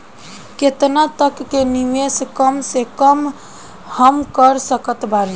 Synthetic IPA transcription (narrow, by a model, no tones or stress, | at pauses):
ket̪nat̪əkːenimeskəmsekəm | həmkəɾsəkət̪bali